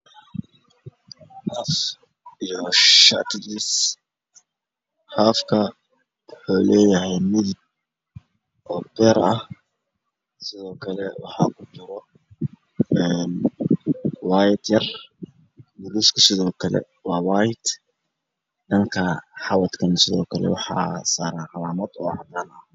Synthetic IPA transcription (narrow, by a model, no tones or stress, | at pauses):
haf | joʃa̰ʔt̪idis | hafka | ħolejahemil | ʔobeɾʔa | sizokalɛwa̰ħakud͡ʒuɾo | ɛn | waːjɪd̪jɐr | bʊluːskʰɐsɪðɔːkʰɐlɛ̰ | waːwaːjɪd̪ | dɐŋkʰɐħɑwɐt̪kʰɐnsɪðɔːkʰɐlɛ̰wɑħɑ̰ːsaːɾaːnʕɑlaːmɐd̪ɔ̰ːʕɑ̰d̪aːnɐ